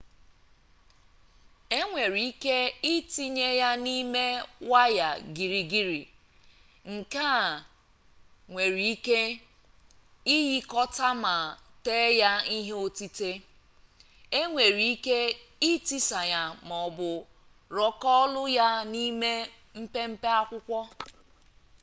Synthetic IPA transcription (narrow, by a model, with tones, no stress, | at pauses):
e˦ŋʷe˨ɾi˨i˦ke˦ɪ˦ti˦ɲe˦ja˦ni˦me˦wa˦ja˨ɡi˨ɾi˨ɡi˦ɾḭ˨ | ŋ̩˨ka˦˨ | ŋʷe˨ɾi˨i˦ke˦ | i˦ji˦kɔ˦ta˦ma˨teː˦ja˦i˦ɦe˦o˦ti˦te˦ | e˦ŋʷe˨ɾi˨i˦ke˦i˦ti˦sa˨ja˦m˨ɔ˨bʊ˨ | ɾɔ˦kɔ˦ɔ˦lʊ˦ja˦ni˦me˦ | m̩˦pe˦m̩˦pe˦a˦kʷʊ˦kʷɔ˦